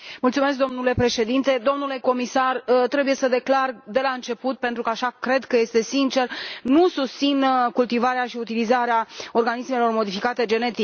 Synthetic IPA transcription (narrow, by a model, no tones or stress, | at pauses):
mult̪sumeskd̪o̞mnule̞pɾe̞ʃe̞d̪int̪e̞d̪o̞mnule̞ko̞misart̪ɾe̞buje̞səd̪e̞klard̪e̞laɨnt͡ʃe̞put̪̚pe̞nt̪ɾukəaʃakɾe̞d̪kəje̞st̪e̞sint͡ʃe̞rnusust̪sinkult̪ivaɾeaʃiut̪ilizaɾeao̞rɡanisme̞lo̞rmo̞d̪ifikat̪e̞d͡ʒe̞ne̞t̪i